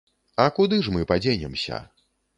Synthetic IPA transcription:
ɐkud̪ɨʂmɨpad͡zʲenʲɛmsʲɐ̰

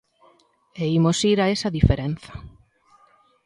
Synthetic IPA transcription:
eimosiɾaesɐðifeɾenθḁ

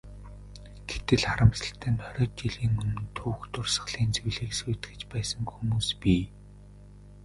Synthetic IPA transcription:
ɡ̥et̪ɘ̆ɮχaɾə̆mɮə̆ɬt̪ʰæːnt̪ʰœɾʲɔːt̪̚t͡ɕiɮiːŋɵmɘ̆nt̪ʰuːwxt̪ʰʊrsə̆χɮ̥iːnt͡sɵwɮiːksujt̪̆ɡɘ̆t͡ɕpæːsə̆ŋxumuːspiː

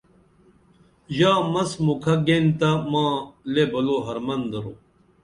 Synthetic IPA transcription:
ʑaːmɐsmukʰɐɡent̪ɐmãːlebɐloːɦɐɾmɐnd̪ɐɾo

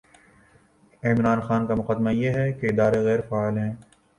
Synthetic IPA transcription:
ɪmɾaːnxaːnkamʊqaːd̪majeɦɛkeɪd̪aːɾeɣɛːɾfaːaːlɦɛ̃ː

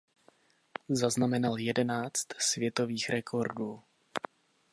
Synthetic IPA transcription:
zaznamɛnaljɛdɛnaːt͡st̪svjɛt̪o̞viːxɾʔɛkʰo̞ɾduː

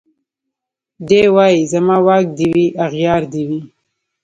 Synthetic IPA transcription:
d̪ewɑizamɑwɑk̚d̪iwiʔaɣjɑɾd̪iwi

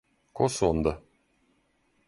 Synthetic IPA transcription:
kosond̪ə

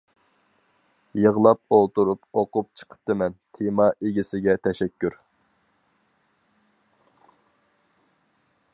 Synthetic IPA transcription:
jəʁlˠɑp̚olˠt̪uɾupoqʊp̚t͡ʃʰə̥qʰə̥p̚t̪ɨmɛnt̪ʰemɑʔeɡʲisɪɡʲɛt̪ʰɛʃɛkʲːyɾ

